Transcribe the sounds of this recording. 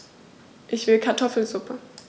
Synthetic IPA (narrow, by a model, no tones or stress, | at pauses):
ʔɪçv̥ɪlkʰaɐtʰɔfl̩z̥ʊpʰə